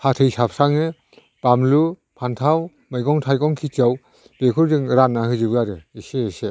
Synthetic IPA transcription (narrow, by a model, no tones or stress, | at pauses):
hatʰɯjsap̚ʰsaŋɯ | b̥amlu | pʰantʰaw | mɯjɡɔŋtʰajɡɔŋkʰit͡ʃaw | b̥ekʰɯɾdɯŋɾanːahɯzɯbɯjaɾɯiseese